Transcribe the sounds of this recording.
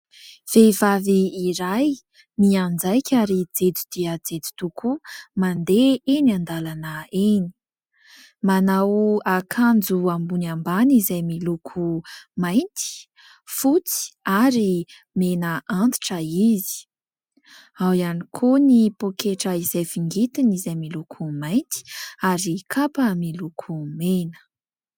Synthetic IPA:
v̥evaviːɾaj | miand͡zajkʲʰaɾid͡zed͡zud̪̥iəd͡zed͡zi̥t̪ukʰumand̪eeniand̪alanəeni̥ | manawakʰand͡zuambunambanizajmilukʰumajnt̪ʰi̥ | fut͡si̥aɾi | menəant̪i̥ʈ͡ʂəizi̥ | awianikʰonipokeʈ͡ʂəiz̥ajfiŋɡit̪inizajmilukʰumajnt̪i̥aɾikʰapəmilukʰumenə̥

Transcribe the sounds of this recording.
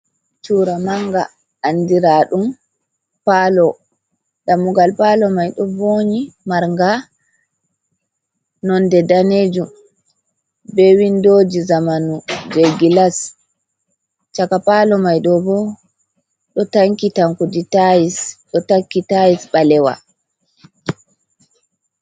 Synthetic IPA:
t͡ʃuːɾamaŋɡa̰ː | ndiɾaːɗum | palɔ | ɗamuɡalpalɔmajɗɔboɲimaɾŋɡa | nɔndɛdaned͡ʒum | bewindoːd͡ʒizamanud͡ʒeɡilas | t͡ʃakapalɔmajɗɔbɔ | ɗɔtaŋkitaŋkuditajisɗɔtakːitajisɓalɛwa̰

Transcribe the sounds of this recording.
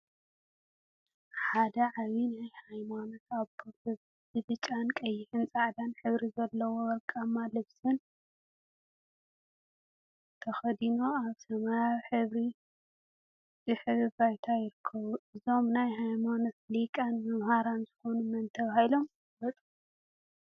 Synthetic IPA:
ħad̪ɐʕaβinajhajmanot̪aβpʰofɨβ | bɨβɨt͡ʃʼankʼɐjːɪħɨnt͡sʼaʕd̪anħɨβɾizɐlːɐwowɐɾkʼamːalɨβsʼɨn | t̪ʰɐxɐd̪ino̞aβt̪ʰɐmajaβħɨβɾi | zɨħɨβɨβajt̪ʰajɪɾɨkʰːɐβuʔɨzo̞mnajɦajmanot̪likʼanmɐmhaɾanzɨxo̞numɐnt̪ʰɐβahilo̞m | bɐt̪ʼu

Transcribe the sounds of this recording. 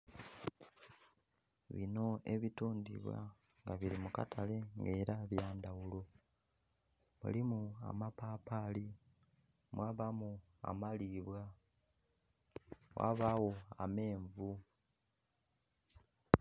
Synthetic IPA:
βḭno̞e̞βituːndḭβwa̰ | ŋɡaβiɾimuka̰tʰale̞ŋɡe̞ːɾaβjaːndawulo̞ | mṵlimua̰mapaːpali | mwaːβamu | a̰maliːβwa | wa̰ːβaːwo̞a̰me̞ːɱvu

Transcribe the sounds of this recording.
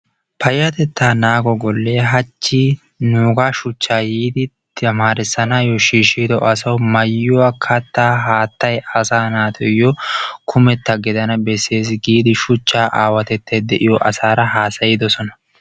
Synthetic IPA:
pɐjːɐt̪ɛt̪ːaːnaːɡɔɡɔlːeːɦɐt͡ʃːiː | nuːɡaʃʊt͡ʃːaːjiːd̪ɪ | ɐmaːɾɪsːɐnaːjɔʃiːʃiːd̪ɔʔɐsɐwmɐjːʊwakʰɐt̪ːaːɦaːt̪ːɐjɐsaːnaːt̪ʰɔjɔkʰʊmɛt̪ːɐɡɪd̪ɐnɐbɛsːe̞ːs̬ɪɡiːd̪ɪʃʊt͡ʃːaːʔaːwɐt̪ɛt̪ːɐjd̪ɛʔɪjɔʔɐsaːɾɐɦaːsɐjɪd̪ɔsɔnɐ̥

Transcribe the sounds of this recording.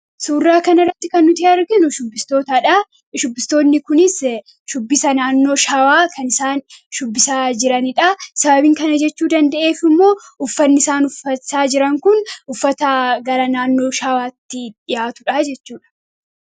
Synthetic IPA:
suːrːaːkɐnɐrːɐt̪ːɪkɐnːʊt̪ɪɐɾɡɪnʊʃʊbːɪst̪o̞ːt̪aᶑɐ | ʃʊbːɪst̪o̞ːnːɪkʊnɪs | ʃʊbːɪsɐnaːnːo̞ːʃawaːkʰɐnɪsaːnʃʊbːɪsaːd͡ʒɪɾɐnɪᶑɐsɐbɐbɪŋkɐnɐd͡ʒɛt͡ʃːuːd̪ɐnd̪ɐʔe̞ːfɪmːo̞ːʔʊfːɐnːɪsaːnʊfɐsaːd͡ʒɪɾɐŋkʊnʔʊfːɐt̪ɐɡɐɾɐnaːnːo̞ːʃawaːt̪ːɪᶑɪjaːt̪ʊᶑɐd͡ʒɛt͡ʃːuːᶑɐ̥

